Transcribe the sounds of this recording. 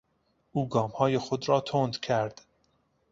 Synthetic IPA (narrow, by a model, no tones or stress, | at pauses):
ʔuːɡɒːmhɒːjexod̪ɾɒːt̪ʰoːnd̪kʲʰæɾd̪̥